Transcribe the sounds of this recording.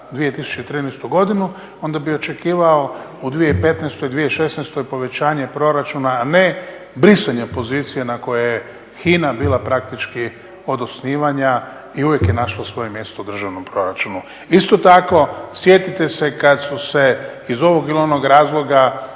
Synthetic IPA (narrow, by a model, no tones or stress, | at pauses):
d̪ʋije̞t̪isu̥t͡ʃet̪ɾiːnɛst̪uɡo̞d̪inu | o̞nd̪abio̞t͡ʃe̞kiːʋaoud̪ʋijeipe̞t̪nest̪oid̪ʋijeʃe̞snest̪ojpo̞ʋe̞t͡ɕaːɲe̞pɾo̞ɾat͡ʃunaːne̞ | bɾisaɲepo̞ziːt̪sijenako̞jeje | xiːnabiːlˠapɾak̚t̪it͡ʃki | o̞d̪osniːʋaɲa | iuʋje̞kjenaʃlˠosʋo̞jemje̞st̪oud̪r̩ʒaʋno̞mpɾo̞ɾat͡ʃunu | ist̪o̞t̪ako̞sje̞t̪it̪e̞se̞kad̪suse̞izo̞ʋo̞ɡilio̞no̞ɡɾaːzlˠo̞ɡa